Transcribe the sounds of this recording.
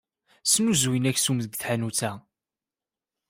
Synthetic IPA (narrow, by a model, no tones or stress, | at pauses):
snuzwinæçsumðəɡθħanut͡sæ